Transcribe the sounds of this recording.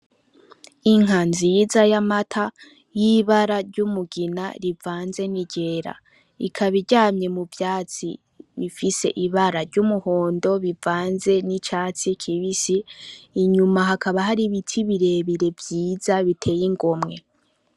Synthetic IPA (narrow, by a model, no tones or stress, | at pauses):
iŋ̥ɦanzizajamatʰa | jiβaɾaɾɟumuɡina̰ɾivaːnze̞niɟe̞ːɾa̰ | ikʰaβiɾɟaːɲɲe̞muvjaːt͡sḭ | βifise̞̰ʔiβaɾaɾɟumuho̞ːndo̞βivaːnze̞nit͡ʃaːt͡sikʰiβisiːɲumaɦakaβaɦaɾiβitʰiβiɾe̞ːβiɾe̞vjiːzaβitʰe̞ːjiŋɡo̞mŋe̞